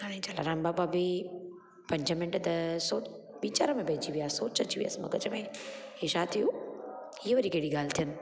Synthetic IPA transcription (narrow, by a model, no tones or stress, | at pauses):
kaːɽ̃ẽːd͡ʑɐla̰ɾaːmbaːbabɪ | pɐ̃ɲd͡ʑʱəmɪ̃ɳʈt̪ɐsoː | biːt͡ɕaːɾəmẽbɛ̃ːt͡ɕiʋijaːsoːt͡ɕət͡ɕiʋija̰ːsmɐ̰ɡəd͡ʑəmẽɦeʃaːt̪ʰijũ | ɪɦəʋɐɾikeːɽiɡaːlt̪ʰijənɪ̆